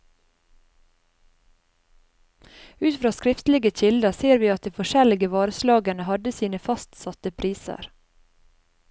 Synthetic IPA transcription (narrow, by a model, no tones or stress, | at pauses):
ʉːt̪fɾɑːskɾɪft̪lɪɡəc͡çɪld̪əseːɾʋiːɑt̪̚d̪iːfɔʃɛlɪɡəʋɑːɾəslɑːɡənəhɑd̪əsiːnəfɑst̪sɑt̪əpʰɾiːsə̰ɾ